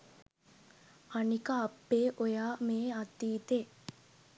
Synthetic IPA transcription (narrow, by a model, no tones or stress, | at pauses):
anikəːpːeːʔojaːmeːat̪ːiːt̪e